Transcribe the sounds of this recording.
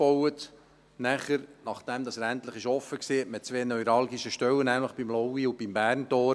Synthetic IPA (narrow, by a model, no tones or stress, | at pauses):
b̥ɔwət̪ | næχəɾnɑχd̪̥ɛmdɑsɾæntləɪχɪʃɔfəksiːɛtmɪt̚t͡sʋeːnœjɾɑlɡiʃəʃtœwənæmləχb̥imlɔwiub̥imbæːrntɔː